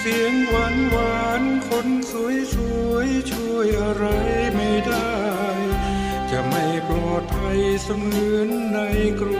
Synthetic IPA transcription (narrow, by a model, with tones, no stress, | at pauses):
si˨˩˦əŋwa˧˥nwaː˧nkʰo˧˥nsu˧˦əjsu˧əjt͡ɕʰu˧˩əjʔa˧ɾa˧jma˧˩jda˥˩j | t͡ɕa˧˩ma˥˩jplɔː˨˩t̪̚pʰa˧jsa˧mŋɯː˧˥nːa˧˥jkɾu˧